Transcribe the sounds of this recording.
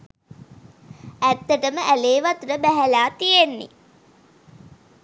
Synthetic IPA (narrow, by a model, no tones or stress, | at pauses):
æt̪ːəʈəməʔæleːʋat̪uɾəbæɦælaːt̪ijenːḭ